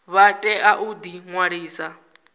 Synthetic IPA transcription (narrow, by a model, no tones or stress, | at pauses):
βatʼɛʔaʔud̪iŋwaɺiːsa